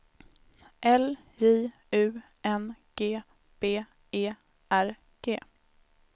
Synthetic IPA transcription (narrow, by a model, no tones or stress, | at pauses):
ʔɛl | jiː | ʉ̟ː | ʔɛnɡ̥eː | b̥eː | eː | ʔæɾ | ɡ̥eː